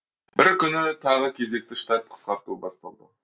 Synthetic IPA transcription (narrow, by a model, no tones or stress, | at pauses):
bɪɾkʲʰʏnɪt̪ʰɑʁəkʲʰe̞ze̞k̚t̪ɪʃt̪ɑt̪̚qʰə̥sqɑɾt̪uəbɑst̪ɑlˠd̪ə̰